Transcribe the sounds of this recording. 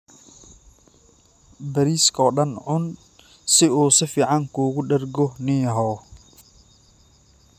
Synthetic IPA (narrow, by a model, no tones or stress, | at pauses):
bɐɾiːskʰɔːɖɐnʕʊn | sɪuːsɪfiːʕɑŋkʰuːɣʊɖɐrɡɔniːɦɔː